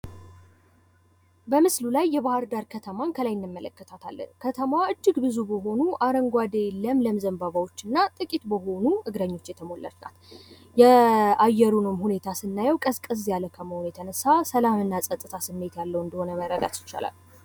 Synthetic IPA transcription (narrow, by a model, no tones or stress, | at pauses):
bəmɨslulajːɛβahɨɾd̪aɾkʰət̪ʰəmaŋkʰəlajɪnːɨmːələkːət̪ʰat̪ʰa̰lːə̰nkʰət̪ʰəmwaɨd͡ʒːɨɡbɨzubəɦo̞nuʔaɾəŋɡʷad̪eləmləmzəmbaβawo̞t͡ʃːɨnːat̪ʼɨkʼit̪bəɦo̞nuʔɨɡɾəɲːo̞t͡ʃːjɛt̪ʰəmo̞lːə̰ɾt̪na̰t̪ | jɛajːɛɾunɨmhune̞t̪ʰasɨnːajɛwkʼəskʼəs̬jalːəkʰəməhonjɛt̪ʰənəsasəlamɨnːasʼət̪ʼɨt̪ʰasɨmːe̞t̪jalːəwɨnd̪əho̞nəməɾəd̪a̰t̪jɪ̥t͡ʃːa̰la̰l